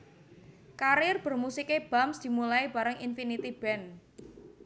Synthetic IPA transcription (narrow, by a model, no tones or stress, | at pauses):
kaɾɪrb̥ə̤rmusikeb̥a̤msd̪̥i̤mulaiba̤ɾəŋinfinit̪ib̥ɛn